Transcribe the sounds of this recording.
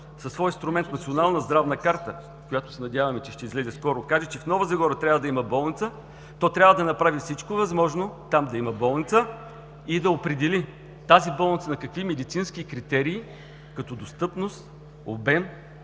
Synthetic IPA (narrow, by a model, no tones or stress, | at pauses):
sɐsːvɔjnst̪ɾʊmɛnt̪nɐt̪sionalˠnɐzd̪ɾavnɐkaɾt̪ə | kʊjat̪ʊ̥sɛnɐd̪ʲjavɐmɛt͡ʃɛʃt̪ɛizlɛzɛskɔɾʊkaʒɛt͡ʃɛfnɔvəzɐɡɔɾət̪ɾʲavəd̪ɐimɐbɔlˠnit̪sə | t̪ɔt̪ɾʲavəd̪ɐnɐpɾavifsit͡ʃkovɐzmɔʒnot̪amd̪ɐimɐbɔlˠnit̪sə | id̪ɐopɾɛd̪ɛli | t̪azibɔlˠnit̪sənɐkɐkvimɛd̪it̪sinskikɾit̪ɛɾiː | kɐt̪ɔd̪ost̪ɤpnost̪ | obɛm